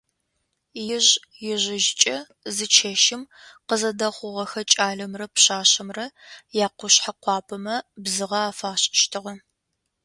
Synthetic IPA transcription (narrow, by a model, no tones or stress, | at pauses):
jɪʑ | jɪʑɪʒɪt͡ʃʼɐ | zɨt͡ʃʰeʃɪm | qəzɐdɐχʷʊʁɐxɐt͡ʃʼaːɮɐmrɐpɕaːɕɐmrɐjaːqʷʊɕħaqʷɑːpʰɐmɐbzɨʁɐaːfaːɕʼɪʃtʰɨʁɐ